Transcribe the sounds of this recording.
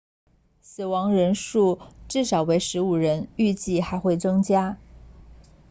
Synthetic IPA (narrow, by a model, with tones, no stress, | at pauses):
sɹ̩˨˩wɑ˧˥ŋɻə˧˥nʂu˥˧ʈ͡ʂɻ̩˥˩ʂɑ˨˩ʊwe˧˥ɪʂɻ̩˧˥u˨˩ɻə˧˥ny˥˧t͡ɕi˥˩xa˧˥ɪxwe˥˩ɪt͡sɤ˥ŋt͡ɕja˥